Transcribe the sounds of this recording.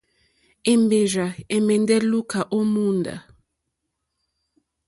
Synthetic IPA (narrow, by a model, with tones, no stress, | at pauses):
e˨mbe˨ʒa˨ɛ˨mɛ˨ndɛ˦lu˦kʰa˨ʔo˦mu˦nda̰˨